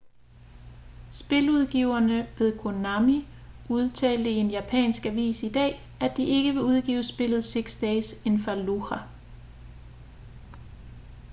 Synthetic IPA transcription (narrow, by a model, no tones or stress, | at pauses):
sb̥e̝luð̞ˠɡ̥iʊ̰ɐnəpʰe̝ðˠkʰonɑmi | uð̞ˠt͡sʰɛ̰ːld̥əie̝njæpʰɛ̰ːnsɡ̥æʋḭːsid̥ɛ̰ː | æd̥iʔe̝ɡ̥əʋe̝uð̞ˠɡ̥ḭːʊəsb̥e̝l̰ð̞̩ˠse̝ɡ̥sd̥ɛːse̝nfɐluʁæ